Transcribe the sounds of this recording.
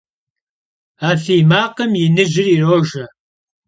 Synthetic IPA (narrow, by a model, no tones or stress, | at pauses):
aːfiːmaːqəmjɪnɨʒɪriroːʒɐ